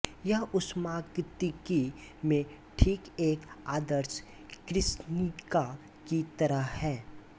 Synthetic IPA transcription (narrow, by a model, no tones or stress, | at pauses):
jaʊsmaːɡt̪ɪkimẽ | ʈʰiːkeːkaːd̪əɾs | kɾɪsnɪka | kit̪ɐɾəɦhɛː